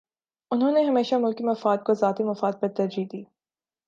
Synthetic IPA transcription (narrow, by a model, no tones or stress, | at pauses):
ʊnɦõːneɦɐmeːʃamʊlkimɐfaːd̪̚kozaːt̪imɐfaːd̪̚pɐɾt̪ɐɾd͡ʒiːd̪iː